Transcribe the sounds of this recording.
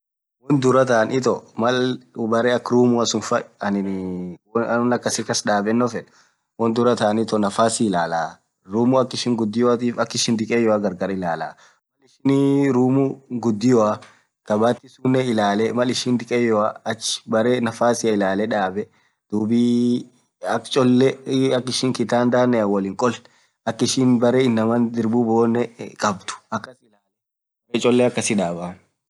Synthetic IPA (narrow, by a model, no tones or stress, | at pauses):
wɔnd̪ʊɾɐt̪aːnɪt̪ɔmɐlbɐɾeːɐkːɾuːmʊɐsʊnfɐɐnɪ | ʊnɐkːɐsɪkɐsᶑaːbɛnːɔfɛᶑ | wɔnd̪ʊɾɐt̪aːnɪt̪ɔnɐfaːsɪɪlaːlaː | ɾuːmʊɐkːɪʃɪŋɡʊd̪ːɪjɔat̪iːfɐkːɪʃɪnd̪ɪkʼeːjɔaɡɐɾɡɐɾɐɪlaːlaː | mɐlɪʃɪnɾuːmuɡʊd̪ːɪjɔa | kɐbaːt̪ːɪsuːnːɛɪlaːlɛmɐlɪʃɪnd̪ɪkʼeːjɔaɐt͡ʃːɪ̥bɐɾeːnɐfaːsɪjɐɪlaːlɛᶑaːbɛ | d̪̥uːbiː | ɐkt͡ʃʼɔlːɛɐkːɪʃɪŋkɪt̪aːnd̪aːnːɛɐwɐlɪŋkʼɔl | ɐkːɪʃɪnbɐɾeːɪnːɐmɐnd̪ɪɾbuboːnːɛkʼɐb̚t̪ʊ̥ɐkːɐsɪlaːl | ɐɾeːt͡ʃʼɔlːɛɐkːɐsɪᶑaːba